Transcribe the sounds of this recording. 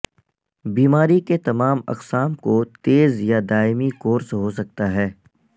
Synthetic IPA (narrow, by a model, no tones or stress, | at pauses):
biːmaːɾiket̪ɐmaːmɐ̰qsaːmkot̪eːzjad̪aːɪmikoːɾsɦosɐk̚t̪aɦɛː